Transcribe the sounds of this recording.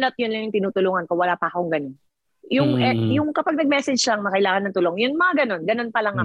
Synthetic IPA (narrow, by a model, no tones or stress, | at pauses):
nɐt̪̚jʊnlɐŋjʊŋt̪ɪnuːt̪ʊluːŋɐnkowɐlaːpɐʔkoʊŋɡɐnon | jʊŋʔɛjʊŋkɐpaɡ̚nɐɡ̚mɛsɛd͡ʒlɐŋmɐkɐʔɪlaːŋɐnɐŋt̪ʊloŋjʊnmɐŋaɡɐno̞nɡɐno̞npɐlɐŋɐ